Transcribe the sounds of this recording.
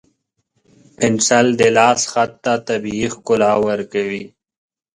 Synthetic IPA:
pɪnsald̪elaːsxat̪ːat̪abiixkʊlaːwəɾkəwi

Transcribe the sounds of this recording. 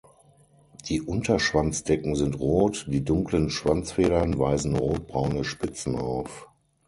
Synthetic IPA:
d̥iːʔʊntʰɐʃv̥ant͡sd̥ɛkŋ̩zɪntʁoːtd̥iːdʊŋklənʃv̥ant͡sfeːɾɐnvaɪzn̩ʁoːt̚b̥ʁaʊnəʃpɪt͡sn̩a̰ʊf

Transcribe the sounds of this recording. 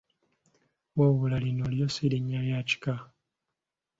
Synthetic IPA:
woβulalinolijosiliɲːajaci̥ka

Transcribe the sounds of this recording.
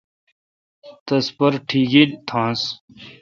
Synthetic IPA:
t̪ɐspɐɾʈʰiːɡint̪ʰãːs

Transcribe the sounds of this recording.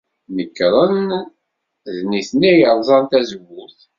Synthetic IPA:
nəkːɾˤən | ðniθnæjəɾˤzˤɑnt̪æzwːʊθ

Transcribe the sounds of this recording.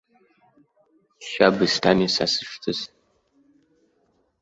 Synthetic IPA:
ʃaːbɨstʰaːmiːsa̰sɨ̥ʂtʰɨs

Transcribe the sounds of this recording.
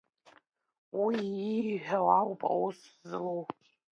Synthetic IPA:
wiːħᶣawawpʼa̰wuszɨlow

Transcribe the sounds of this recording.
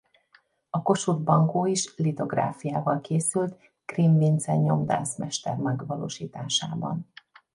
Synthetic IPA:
ɒko̞ʃud̪̚bɒŋkoːiʃlit̪oɡra̰ːfijaːvɒlkeːsylt̪ | krimvint̪sɛɲɲo̞md̪a̰ːnsmɛʃt̪ɛ̰rmɛɡʋɒlo̰ːʃiːt̪aːʃaːbɒ̰n

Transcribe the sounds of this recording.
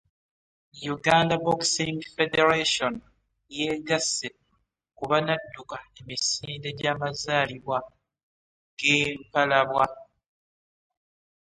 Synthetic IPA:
juɡaːndaboksiŋfede̞ɾeʃon | jeɡasːe | kuβanadːukae̞misiːnde̞ɟaːmazaːliβwa | ɡeːmpalaβwa

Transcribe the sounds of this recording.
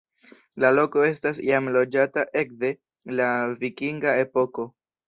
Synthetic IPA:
lalo̞ko̞e̞stasḭamlo̞d͡ʒataʔe̞k̚de̞ | lavikiŋɡae̞po̞ko̞

